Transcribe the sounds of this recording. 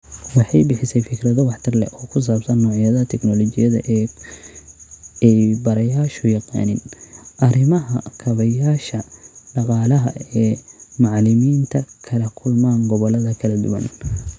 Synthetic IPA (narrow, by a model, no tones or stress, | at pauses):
wɑħɑjbɪħɪsɛjfɪkʰrɐðɔwɑħt̪ʰɪrlɛ̰ʔɔːkʰʊs̬aːbsɐnːɔːʕijɐðɐt̪ʰɛknɔlɔt͡ʃɪjɐðɐ̰ʔɛ | ɛjbɐɾɐjaːʃʊjɑqɑ̰ːnɪnʔɐɾɪmɐɦɐkʰɐβɐjaːʃɐɖɑqɑːlɐɦɐ̰ɛːmɑʕlɪmiːnt̪ʰɐkʰɐlɐkʰʊlmaːŋɡɔβɔlɐðɐkʰɐlɐd̪ʊ̰wɐ̰n